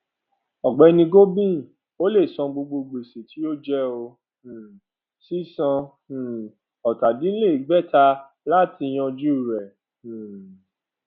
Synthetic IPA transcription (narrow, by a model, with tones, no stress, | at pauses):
ɔ˨ɡ͡bɛ˨˦nĩ˧ɡo˦bĩ˦˨ | o˦le˦˨sɔ̃˧ɡ͡bo˧ɡ͡bo˧ɡ͡be˨se˨tʰi˨˦jo˦d͡ʒɛ˦õ˧˨ | si˦sã˧˨ | ɔ˨ta˨dĩ˨˦le˦˨i˨ɡ͡bɛ˦ta˧ | la˦ti˧j̃ɔ̃˧d͡ʒu˦˨ɾɛ̃˨